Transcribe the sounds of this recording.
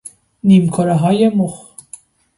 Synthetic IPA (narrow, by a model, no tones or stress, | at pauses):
niːmkʰoɾɛɦɒːjemox